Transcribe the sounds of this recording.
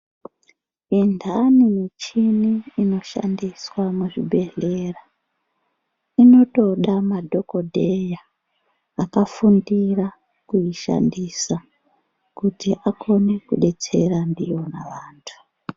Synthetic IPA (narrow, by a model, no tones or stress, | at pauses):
indʱanimit͡ʃiniːno̞ʃa̰ndiswamuʐibʱe̞ɮera | ino̞to̞ɗamadʱo̞ko̞dʱe̞jaː | kafundira | kuiʃa̰ndisa | kutiʔakʰo̞ne̞kuɗe̞t͡se̞randijo̞na̰ʋaːntʰu̥